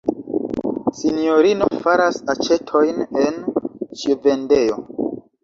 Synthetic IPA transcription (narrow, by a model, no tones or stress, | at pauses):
sinijoɾino̞faɾasat͡ʃe̞tʰo̞jnent͡ʃive̞nde̞jo̞